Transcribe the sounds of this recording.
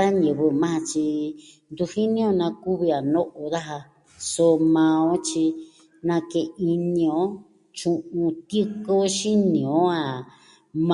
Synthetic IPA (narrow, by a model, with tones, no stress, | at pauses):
a˦ɲɨ̃˨βɨ˧mã˦hã˧t͡ʃi˧ | nd̪u˧hi˦nĩ˦õ˧nã˧ku˦βi˧a˨nõ˦ʔo˧ða˦ɦa˧ | so˧mã˧õ˦t͡ʃi˧ | nã˧ke˧˨i˧nĩ˧õ˦ | t͡ʃũ˧ʔũ˧t̪ɨ˦ko˦ʃi˦nĩ˨õ˦a˧˨ | m̃